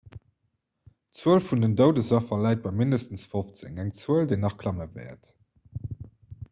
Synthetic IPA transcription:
t͡suəlfundəndəʊdəzɑfɐlæɪt̚b̥ɑɪmindəstənsfoft͡sḛŋæŋt͡suəldeɪnɑχkʰlɑməvɛ̰ːɐt

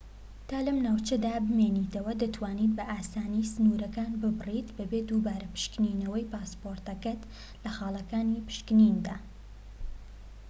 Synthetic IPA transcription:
t̪ʰaːlɐmnaːwt͡ʃɐd̪aːbɨmeːniːt̪ɐwɐd̪ɐt̪ʰwaːniːt̪̚bɐʔaːsaːnisɨnuːɾɐkaːnbɨbɨrit̪bɐbeːd̪ubaːɾɐpɨ̥ʃkninɐwɐjpaːspoːɾt̪ɐkɐt̪ | lɐxaːlˠɐkaːnipɨ̥ʃkɨnind̪aː

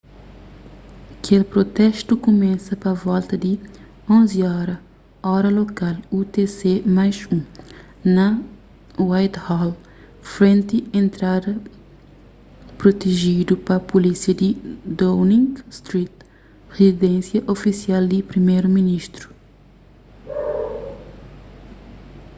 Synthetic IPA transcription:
ɐkʰelpɾot̪ɛʃt̪ukumɛsɐpɐvɔlt̪ɐd̪i | õnziɔɾɐ | ɔɾɐlokalut̪esemajʃũ | nɐ | wajt̪hɔl | fɾẽnt̪iẽnt̪ɾad̪ɐ | pɾot̪eʒid̪upɐpulisiɐd̪id̪ownĩŋɡst̪ɾit̪ | ʁezid̪ẽnsjɐʔofisiald̪ipɾimejɾuminiʃt̪ɾu̥

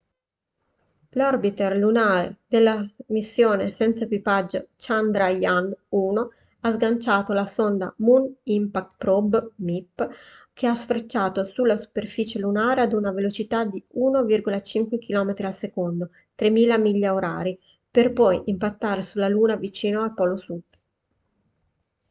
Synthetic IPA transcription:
lɔrbit̪erlunaːɾḛd̪̥elːamisːjoːnesɛnt̪saekwipad͡ʒːot͡ʃand̪ɾajanuːno | azɡant͡ʃaːt̪olasond̪amunimpak̚t̪pɾɔbmipː | k̟easfɾet͡ʃːaːt̪osulːasu̥perfiːt͡ʃelunaːɾead̪unavelot͡ʃit̪ad̪iuːnovirɡolat͡ʃiŋkwek̟ʰilɔːmet̪ɾialsekond̪o | t̪ɾemiːlamiʎːaoɾa̰ːɾi | perpɔjimpat̪ːaːɾesulːaluːnavit͡ʃiːnoalpɔlosud̪

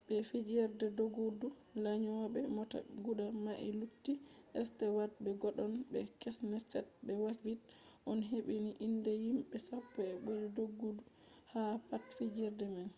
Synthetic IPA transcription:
bɛfid͡ʒɛɾdɛdoɡudu | laɲɔwabɛmɔta̰ɡuɗamaʔilutːiʔɛstɛwat̚bɛɡɔɗɔnbɛ̰kɛsnɛtːɛt̚bɛwakvitʔɔnɦeɓiniʔindɛhimbɛsapːɔɛɓujdɛdoɡːudu | hapatfid͡ʒɛɾdɛman

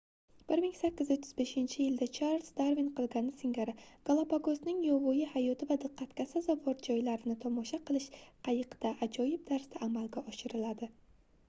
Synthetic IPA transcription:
b̥ɪɾmɪŋsakʲːɪzot̪ʰːɪzbe̞ʃɪnt͡ʃʰɪjɪld̪at͡ʃʰaɾlsd̪aɾvinqɨlˠɡʲanɪsɪŋɡʲaɾɪɡ̥alˠapaɡosnɪŋjɒvɒjɪhajɒt̪ʰɪvad̪ɨqʰːɑt̪kʲasazɒvɒɾd͡ʒɒjlaɾɪnɪt̪ʰɒmɒʃaqɨlˠɪʃqʰɑjɨqd̪aʔad͡ʒɒjɪb̚d̪aɾsd̪aʔːmalɡʲaɒʃɪɾɪlad̪ɪ

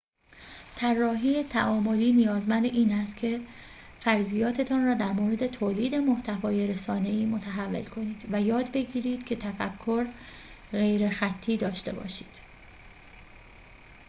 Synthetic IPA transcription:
t̪ʰærːɒːɦiːet̪ʰæʔɒːmo̞liːnijɒːzmænd̪eʔiːnæst̪cʰe̞ | fæɾzijɒːt̪ʰe̞t̪ʰɒːnrɒːd̪æɾmoːɾe̞d̪e̞t̪ʰoːliːd̪e̞mo̞ht̪ʰævɒːje̞ɾe̞sɒːne̞iːmo̞t̪ʰæɦævːe̞̰lkʰo̞niːd̪̥væjɒːd̪be̞ɟiːɾiːd̪̥cʰe̞t̪ʰæfækʰːo̞ɾ | ɣe̞jɾe̞xæt̪ʰːiːd̪ɒːʃt̪e̞̰bɒ̰ːʃiːd̪̥

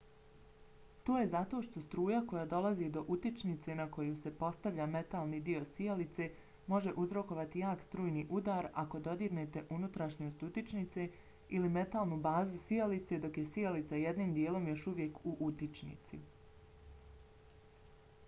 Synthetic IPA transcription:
t̪o̞ːje̞zat̪o̞ːʃt̪o̞st̪ɾuːjako̞jad̪o̞lazid̪o̞ʔut̪it͡ʃnit̪se̞nako̞juse̞po̞st̪aʋʎʲaːme̞t̪alˠniːd̪io̞sielit̪se̞ | mo̞ʒeʔuzɾo̞ko̞ʋat̪ijaːkst̪ɾuːjniːʔud̪aɾako̞d̪o̞d̪iɡne̞t̪e̞ʔunut̪ɾaʃɲost̪ut̪it͡ʃnit̪se̞ | ilime̞t̪aːlˠnubaːzusiolit̪se̞d̪o̞kje̞sielit̪sajed̪niːmd̪jeːlo̞mjo̞ʃuʋje̞kuʔut̪it͡ʃnḭt̪sḭ

